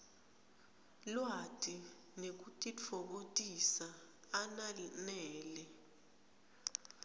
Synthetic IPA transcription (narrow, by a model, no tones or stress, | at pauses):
lwatʼi | nek̬utʼit͡fʰɔɓotʼisaː | nanɛːlɛ